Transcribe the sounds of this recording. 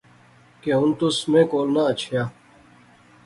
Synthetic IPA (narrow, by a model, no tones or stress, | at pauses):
keɦʊnt̪ʊsmẽːkoːlnaːət͡ʃʰjaː